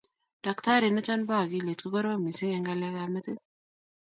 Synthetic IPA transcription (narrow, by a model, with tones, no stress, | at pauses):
d̥a˨kt̪a˦ɾi˨nɐ˦t͡ʃa˦nba˦˨ɡi˦le˨t̪kɔ˦ɡɔ˦ɾwa˦mi˨si˦ŋɛ˦ŋɡa˦la˦ɡa˦mɐ˦t̪i˦n